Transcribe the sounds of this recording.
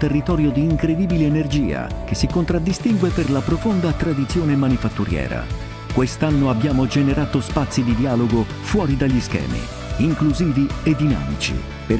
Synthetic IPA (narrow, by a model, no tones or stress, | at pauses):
t̪erːit̪ɔːɾjod̪iːŋkɾed̪iːbileːnerd͡ʒḭːa̰k̟esːikont̪ɾad̪ːist̪iŋɡweperlapɾofond̪at̪ɾad̪it̪sjoːnemanifat̪ːuɾjɛ̰ːɾa̰ | kwest̪anːoabːjaːmod͡ʒeneɾaːt̪ospat̪sːid̪id̪iaːloɡo | fwɔːɾid̪aʎːiskɛ̰ːmḭ | iŋkluziːvied̪ːina̰ːmit͡ʃḭ | pe